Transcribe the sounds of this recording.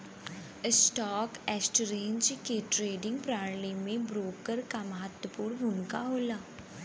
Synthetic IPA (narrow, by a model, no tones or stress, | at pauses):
sʈɔːkɛːsʈɾẽːɲd͡ʒkeʈɾeːɖɪ̃ŋɡ̚pɾaːɾlemẽbɾoːkəɾkaməɦət̪wəpuːɾbʱunka̰ɦoːlaː